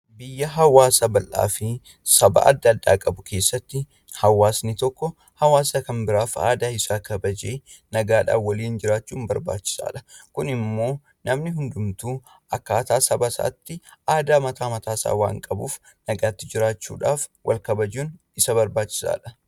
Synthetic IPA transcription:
bɪjːɐɦɐwaːsɐbɐlʔa̰ːfɪ | sɐbɐ̰ɐ̰d̪ːɐd̪ːa̰ːkʼɐbʊkʰe̞ːsːɐt̪ːɪ | hɐwaːsnɪt̪ɔkːɔ | hɐwaːsɐkɐmbɪɾaːfa̰ːd̪aːɪsaːkɐbɐd͡ʒeː | nɐɡaːᶑa̰ːwɐliːnd͡ʒɪɾaːt͡ʃːuːnbɐɾba̰ːt͡ʃːɪ̥sa̰ːᶑɐkʊnɪmːo̞ː | nɐmnɪɦʊnd̪ʊmt̪uː | ʔɐkːaːt̪aːsɐbɐsɐ̰ʔɐ̰t̪ːɪʔaːd̪aːmɐt̪aːmɐt̪aːsa̰ːwa̰ːŋkʼɐbṵːf | nɐɡaːt̪ːɪd͡ʒɪɾaːt͡ʃːṵːᶑaːfwʔɐ̰lkɐbɐd͡ʒuːn | ɪsɐbɐɾbaːt͡ʃːɪ̥sa̰ːᶑɐ̥

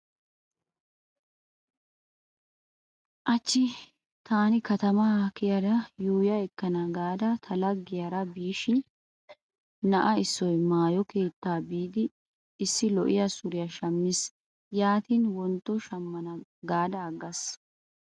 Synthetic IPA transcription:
ʔɐt͡ʃːɪ | t̪aːnɪkɐt̪ɐmɐkɪjɐd̪ɐjuːjɐɛkːɐnɐɡaːd̪ɐt̪ʰɐlɐɡːɪjɐɾɐbiːʃɪn | nɐʔɐɪsːɔjmaːjɔke̞ːt̪ːaːbiːd̪ɪː | sːɪlɔʔɪjɐsʊɾɪjɐʃɐmːɪs | jaːt̪iːnwɔnt̪ːɔʃɐmːɐnɐɡaːd̪ɐːɡːɐs

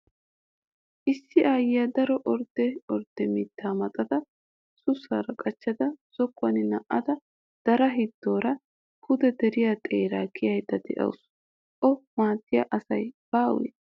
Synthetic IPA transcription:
ʔɪsːɪʔaːjɪjad̪ɐɾɔʔɔɾd̪ɛɔɾd̪̥ɛmit̪ːaːmɐt̪ʼɐt̪ɐ | sʊsːaːɾɐkʼɐt͡ʃːɐd̪ɐz̥ɔkːʊɐnɪnɐʔɐd̪ɐ | d̪̥ɐɾɐɦɪd̪ːo̞ːɾɐ | kʊd̪ɛd̪ɛɾɪjaːt̪ʼeːɾaːkʰɪjɐjd̪ɐd̪ɛ̰ʔɐ̰ws | ʔɔmaːt̪ːɪjaʔɐsɐjb̥aːwɛ̰

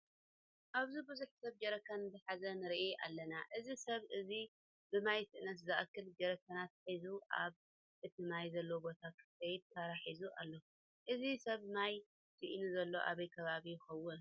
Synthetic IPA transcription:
ʔaβzibɨzuħsɐβd͡ʒɐɾɐkʰɐnzɨħazɐnɨɾiʔeʔa̰lːɐnaʔɨzisɐβʔɨzi | bɨmajt̪ɨʔɨnɐt̪̬zɐʔkʰːɨlɡɐɾɐkʰɐnat̪̚ħizuʔa̰β | ʔɨt̪ʰimajzɐlːowbo̞t̪ʰakʰɨ̥ɐjd̪̚t̪ʰaɾaħizuʔa̰lːo | ʔɨzisɐβnaj | siʔinuzɐlːo̞ʔaβɐjkʰɐβaβijɪxɐwːʊn

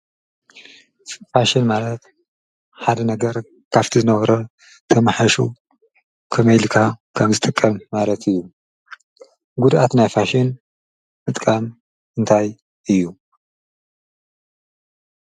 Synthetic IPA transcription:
faʃinmalɐt̪ | ħad̪ɐnɐɡɐɾ | kʰaft̪ʰizɨnɐβɐɾo | t̪ʰɐmaħaʃu | kʰɐmɐjlkʰakʰɐmzɨt̪ʼɨkʼːɐmːalɐt̪ʰɨjːu | ɡud̪ʔat̪najfaʃɪn | mɨt̪ʼkʼam | ɨnt̪ʰaj | ʔɨjːu

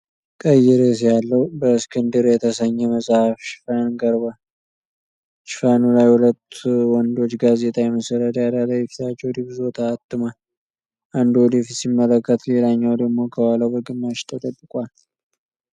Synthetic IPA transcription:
kʼəjːɛɾes̬jalːəwbəskʰɨnd̪ɨɾjɛt̪ʰəsəɲːɛməsʼhafʃɪ̥fanɡəɾbal | ʃɪ̥fanulajhulət̪ːwɔnd̪o̞t͡ʃːɡaze̞t̪ʼʰajɛməsəɾəd̪jalalajɛfi̥t̪ʰat͡ʃːɛwd̪ifzo̞t̪ʰaːt̪ʼːɨmal | ʔand̪wɔd̪ifisimːələkːət̪le̞laɲːawd̪əɡmo̞kʰəwaləwbəɡɨmːaʃt̪ʰʼət̪ʼəkʼːɨkʼwal

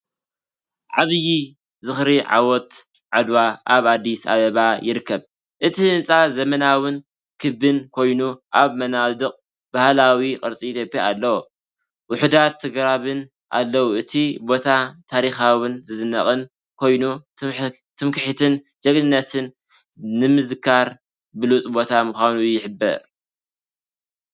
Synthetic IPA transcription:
ʕaβji | zɨxɾiʕa̰wɔt̪ | ʕad̪waʔaβad̪ːisa̰βɐβajɪɾɨkʰːɐβ | ʔɨt̪ʰihɨnt͡sʼazɐmɐnawɨn | kʰɨbɨnkʰo̞jnuʔaβmɐnawd̪ɨqʼ | b̥ahlawiqʼɨɾt͡sʼiit̪ʰjopʼjaːlːɐwo | wʊħud̪at̪ʰːɨɡɾaβɨn | ʔa̰lːɐwuʔɨt̪ʰibo̞t̪ʰat̪ʰaɾixawɨnzɨzɨnːɐ̰χʼɨn | kʰo̞jnu | t̪ʰɨmkɨħit̪ʰɨn | d͡ʒɐɡʼnɨnːɐt̪ʰɨnː | ɨmɨzɨkʰaɾ | bɨlut͡sʼbo̞t̪ʰamuxʷanujɪħɨbːɐ̰ɾ

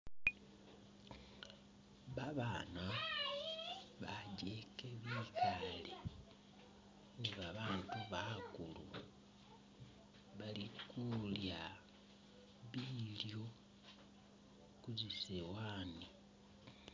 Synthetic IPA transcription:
βaβaːna | βaɟeke̞βiːkali | niβaβaːntuβakulṵ | βalikulja | βiːljo̞ | kuɟisewaːni

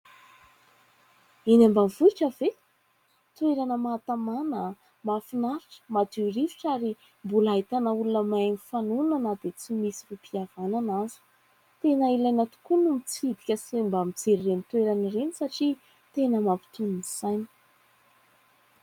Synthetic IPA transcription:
inambamvuiʈ͡ʂəve | t̪weɾanəmaːt̪amanə | mafinaɾiʈ͡ʂə̥mad̪iɾiviʈ͡ʂaɾi | mbulaɦit̪anəulunəmajnifanunanəd̪et͡simisirupiavananazi̥ | t̪enəilajnət̪u̥kunumit͡sid̪i̥kʲəsembamit͡seɾirenit̪weɾanərenisaʈ͡ʂi | t̪enəmapi̥t̪uniniz̥ajni̥

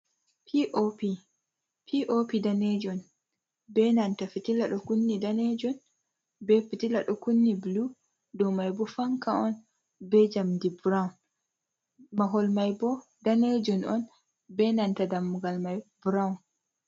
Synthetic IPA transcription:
pʰiʔopi | pʰiʔopidaned͡ʒɔn | bɛnantafitilaɗɔkunːidaned͡ʒɔn | bɛfitilaɗɔkunːiblu | dɔmajbɔfaŋkaɔn | bɛd͡ʒamdibuɾawun | maɦɔlmajbɔ | daned͡ʒɔnɔn | bɛnantadamːuɡalmajbɾawun

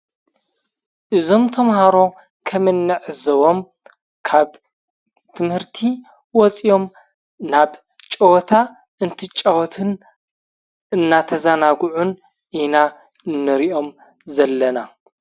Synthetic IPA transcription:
ʔɨzo̞mt̪ʰɐmɦaɾo̞ | kʰɐmɨnːɨʕɨzɐβo̞m | kʰaβ | t̪ʰɨmhɨɾt̪ʰi | wɔt͡sʼijo̞m | naβ | t͡ʃʼɐwɔt̪ʰa | ɨnt̪ʰit͡ʃʼɐwɔt̪ʰɨn | ɨnːat̪ʰɐzanaɡʕun | ʔina | ɨnːɨɾiʔo̞m | zɐlːɐna

